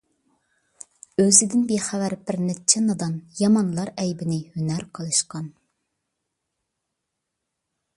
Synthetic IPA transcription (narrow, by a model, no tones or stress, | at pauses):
øzɪd̪ɪnbeχævæɾbɪɾnɪt͡ʃʰɛnɑd̪ɑnjɑmɑnlˠɑɾɛjbɪnɪhynæɾqʰəlˠɨʃqɑn